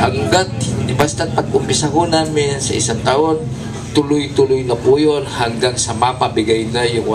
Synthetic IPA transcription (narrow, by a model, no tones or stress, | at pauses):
haŋɡat̪̚ɪbast̪at̪̚pɐɡ̚ʊmpɪsɐkonaːmɪnsɐ̰ʔɪ̰saŋt̪aʔon | t̪ʊlʊjt̪ʊlʊjnɐpuːjolhɐŋɡaŋsɐmapɐbɪɡajnajʊŋʔ